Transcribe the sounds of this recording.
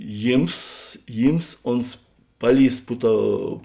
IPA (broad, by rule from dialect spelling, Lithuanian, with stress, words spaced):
ˈjiːms ˈjiːms ˈoːns ˈpɑːˌlʲiːs ˈpʊ ˌtoːʊ